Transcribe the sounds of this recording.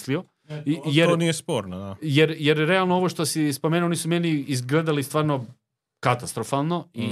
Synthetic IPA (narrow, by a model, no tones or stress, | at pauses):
slio | jeɾonijespoːɾnod̪ajeɾjeɾɾealnoo̞ʋoʃt̪osispomeːnuoonisumeːniizɡled̪alist̪ʋaːɾno | kat̪ast̪ɾofalˠno̞i